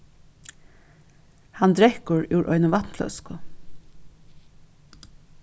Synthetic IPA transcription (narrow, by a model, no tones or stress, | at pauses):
hɑnd̪ɾɛhkʊɹuːɹʔɔ̰ʏnʊʋɑt̪nflœ̰skʊ